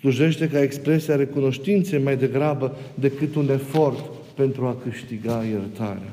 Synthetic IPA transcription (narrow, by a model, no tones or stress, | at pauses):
sluʒe̞ʃt̪e̞kae̞kspɾe̞siaɾe̞kuno̞ʃt̪int̪se̞jmajd̪e̞ɡɾabə | d̪e̞kɨt̪une̞fo̞rt̪ | pe̞nt̪ɾuakɨʃt̪iɡaje̞rt̪a̰ɾea